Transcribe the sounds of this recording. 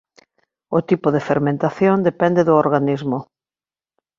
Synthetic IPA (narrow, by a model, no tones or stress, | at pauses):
ʊt̪ipʊðefeɾmẽnt̪aθjond̪epɛnd̪eðʊoɾɣanizmʊ